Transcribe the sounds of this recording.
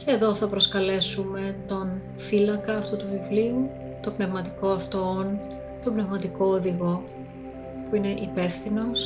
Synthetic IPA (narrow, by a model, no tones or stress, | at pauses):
ceːðo̞θɐpɾo̞skɐle̞sume̞t̪o̞n | filɐkɐːft̪ut̪uvivliu | t̪o̞bne̞vmɐt̪i̥ko̞ɐft̪on | t̪o̞bne̞vmɐt̪iko̞ːðiɣo̞ | puine̞ʔipe̞fθino̞s